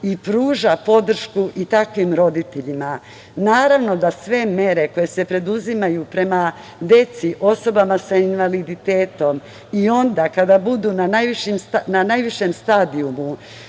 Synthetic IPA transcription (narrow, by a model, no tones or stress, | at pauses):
ipɾuːʒapo̞d̪r̩ʃkuʔit̪akʋimɾo̞d̪it̪e̞ʎima | naːɾaʋno̞d̪asʋe̞me̞ɾe̞ko̞je̞se̞pɾe̞d̪uzimajupɾe̞ma | d̪e̞t̪siʔo̞so̞bamasainʋalid̪it̪e̞ːt̪o̞m | io̞nd̪akad̪abud̪uːnanajʋiʃimsnanajʋiʃemst̪aːd̪iumu